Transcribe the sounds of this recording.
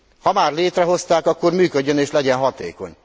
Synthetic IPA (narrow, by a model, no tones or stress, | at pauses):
hɒmaːrleːt̪rɛɦo̞st̪aːkɒkːormyːkøɟːøneːʃlɛɟɛnɦɒt̪ḛːko̞̰ɲ